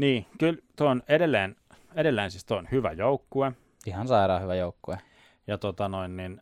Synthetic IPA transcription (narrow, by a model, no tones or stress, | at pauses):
niːkylt̪oonedelːeːn | edelːæːnsist̪oonhyʋæ̰joukːue | ihɑnsɑiɾɑːhyʋæjoˑukːue | jɑt̪ot̪ɑnoinnin